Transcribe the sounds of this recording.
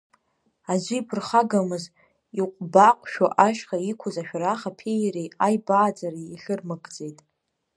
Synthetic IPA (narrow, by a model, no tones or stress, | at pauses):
azʷiːpʰɨrχaɡamɨz | iqʷʼbaqʷʼʃᶣaʔaʃᶣχaikʷʰʊzaʃᶣraχapʰejɾejajbaːd͡zʼariiɬɨrmɨɡʼd͡zʼe̞jtʼ